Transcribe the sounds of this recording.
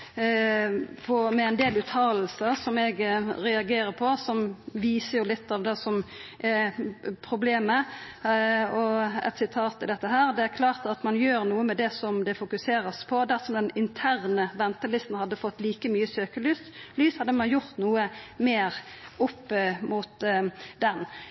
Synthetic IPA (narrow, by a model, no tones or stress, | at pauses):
pʰɔmɛɛnd̪eːlʉːt̪ʰːɑːll̩səɾsɔmɛɡɾɛɑɡeːɾəɾpʰɔsɔmʋiːsəɾjʊlɪt̪ːɑːʋd̪ɛsɔmʔɛpʰʁʊbleːmə | ɔɛ̰t̪sɪt̪ʰɑːt̪ɪld̪ɛt̪ːəɦæːʁd̪ɛæɾkʰlɑːʁt̪ɑt̪mɑnjøːɾnuːəmɛd̪ɛsɔmd̪ɛfʊkʉseːɾəspʰɔd̪æʁsɔmd̪ɛnɪnt̪ʰæːʁnəʋɛnt̪əlɪst̪n̩hɑd̪ːəfɔt̪ːliːkəmyːəsøːkəlyːslyːshɑd̪ːəmɑnjʊʁt̪nuːəmeːɾʊpːmʊt̪d̪ɛn